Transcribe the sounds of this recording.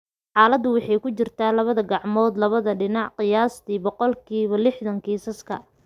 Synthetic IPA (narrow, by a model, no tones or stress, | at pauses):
ħɑːlɐd̪ʊwɑħɑjkʊt͡ʃɪrt̪ʰaːlɐβɐðɐɡɑʕmɔːd̪lɐβɐðɐɖɪnɑʕqɪjaːst̪ʰiːbɔqɔlkʰiːβɐlɪħðɐŋkʰiːsɐskʰɐ̰